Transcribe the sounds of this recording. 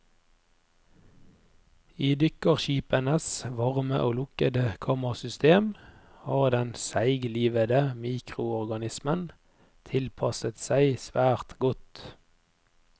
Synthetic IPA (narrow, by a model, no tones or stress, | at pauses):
iːd̪ʏkəʁʃiːpənəsʋɑʁməʔoːlʊkəd̪əkʰɑːməʁsʏst̪eːm | hɑːʁd̪ɛnsæɪɡliːʋəd̪əmiːkʁʊɔʁɡɑnɪsmən | t̪ʰɪlpʰɑsət̪sæɪsʋæːʁt̪ɡɔt̪